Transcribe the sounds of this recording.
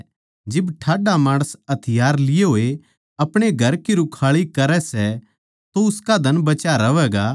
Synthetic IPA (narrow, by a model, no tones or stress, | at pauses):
d͡ʒɪbʈʰaːɖamaːɽ̃əsɐt̪ʰɪjaːɾlɪjeɦoːe | ɐpɽ̃eɡʱɐɾkiɾʊkʰaːɭikɐɾɛsɛ | t̪oʊskad̪ʱɐnbɐt͡ʃaɾɐʋɛːɡa